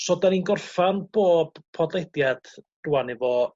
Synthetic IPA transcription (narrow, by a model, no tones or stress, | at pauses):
sɔdaninɡɔrfanb̥oːb̥pʰɔdledjad̥r̥uanɪvɔ